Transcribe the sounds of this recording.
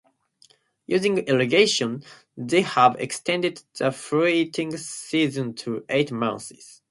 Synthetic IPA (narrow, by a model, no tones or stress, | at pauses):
jʉzɪ̃ŋɛlɨɡeɪʃə̃n | ðeɪhəvɛ̰kstʰɛ̃ndɪd̪̚ðəfɹitʰɪ̃ŋsizə̃ntʰuʔeɪtmãʊ̃nsɪz̥